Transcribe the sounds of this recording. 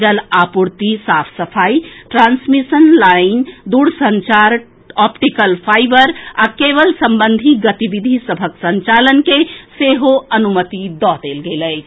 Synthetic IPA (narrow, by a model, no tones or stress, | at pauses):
d͡ʒəlapuɾt̪isaːpʰsəpʰaːiʈɾãːnsmisənlaːind̪uːɽsəɲt͡ʃaɾ | ɔpʈikəlpʰaːɪbəɾakeʋəlsəmbə̃nd̪ʱiɡət̪ibid̪ʱisəbʱəksə̃ɲt͡ʃalənkeseɦoənumət̪id̪ɔd̪elɡelət͡ʃʰ